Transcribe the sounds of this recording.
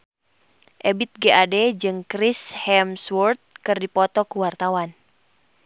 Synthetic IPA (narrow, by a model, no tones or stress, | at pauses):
ʔɛbit̪̚ɡeadɛd͡ʒɨŋkɾishɛmswɔrt̪̚kɨrdipɔt̪ɔkuwart̪awan